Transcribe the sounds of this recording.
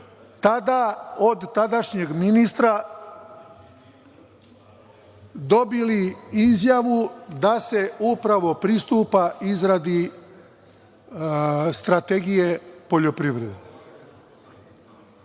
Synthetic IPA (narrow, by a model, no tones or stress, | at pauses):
t̪ad̪aod̪t̪ad̪aʃɲeɡminist̪ɾa | d̪o̞biliizjaʋud̪ase̞upɾaʋo̞pɾist̪uːpaizɾad̪i | st̪ɾat̪eɡije̞po̞ʎo̞pɾiʋɾed̪e